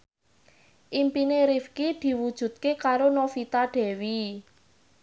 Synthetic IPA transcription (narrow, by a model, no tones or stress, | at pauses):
ʔimpineɾifkid̪̥i̤wud̥ʒ̥ṳt̪̚kekaɾonofit̪aɖ̥ɛ̤wi